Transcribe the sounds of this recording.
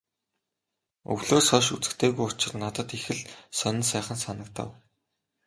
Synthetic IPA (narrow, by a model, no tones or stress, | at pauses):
ɵ̰wɮoːsɔʃut͡sɘ̆kt̪ʰeːɣujʊt͡ɕɪ̆rnat̪ə̆t̪ixɘ̆ɮsœn̆nsæːχə̆nsanə̆k̚t̪ʰə̰̆w